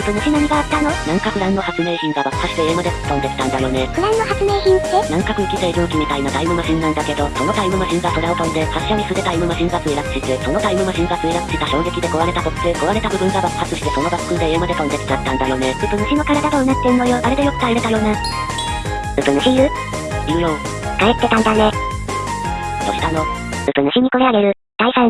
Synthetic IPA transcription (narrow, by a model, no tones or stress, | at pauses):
ɯt̪onɯɕʲinãɲ̟iɡaːt̪ːanonãŋkakɯ̟ɾãnːo̞hat͡sɨme̞ːçĩŋɡabakhaɕi̥t̪eeːmad̪ekːaont̪e̞t̪e̥t̪ãnd̪ajo̞ːneɯ̟ɾãnːohat͡sɨme̞ːçĩnt̪enãŋkakɯ̟ikʲit̪eiɾɯ̃ŋkʲimʲit̪aimat̪aimɯ̟maɕĩnːãnd̪ake̞d̪o̞so̞not̪aimɯ̟maɕĩŋɡakoɾaɯ̟kaond̪ehaɕːoɲ̟isɨd̪e̞t̪aimɯ̟maɕĩŋɡat͡sɨeɾat͡sɨ̥ɕit̪eso̞no̞t̪aimɯ̟maɕĩŋɡasɨeɾat͡sɨ̥ɕit̪aɕo̞ːŋɡe̞kʲid̪e̞ko̞βaɾe̞t̪at̪o̥t̪eko̞βaɾe̞t̪abɯ̟bɯ̟̃ŋɡabḁhat͡sɨɕi̥t̪e̞so̞no̞basɨ̥kɯ̟d̪eemad̪ekaoee̥t͡ɕat̪ːãnd̪ajo̞ːnebɯpɯ̟nɯ̟ɕino̞kaɾad̪ad̪oːnat̪ːeɯnojo̞d̪aɾe̞d̪ejokɯ̥t̪aiɾet̪aɾo̞ːne | bɯ̟pɯ̟nɕʲiːɾɯ̟ | iɯ̟jõː | kaet̪ːe̞t̪ãnd̪ane | t̪oɕi̥t̪ano | ɯ̟pɯ̟nɯ̟ɕiɲ̟iko̞eaɡe̞ɾɯ̟ | d̪̥aisa